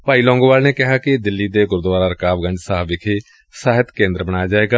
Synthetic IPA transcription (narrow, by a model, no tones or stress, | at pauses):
paːiːlɔ̃ːŋɡoːʋaːlneːkɪɦaːkɪd̪ɪlːiːd̪eːɡʊɾd̪ʋaːɾaːɾəkaːʋɡə̃ɳd͡ʒsaːʋɪkʰeː | saːɦɪt̪kẽːnd̪ɾəbəɽ̃aːjaːd͡ʒaːeːɡaː